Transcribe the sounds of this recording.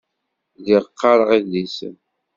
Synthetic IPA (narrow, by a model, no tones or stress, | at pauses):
ðiʁəqːɑɾˤəʁilisə̰n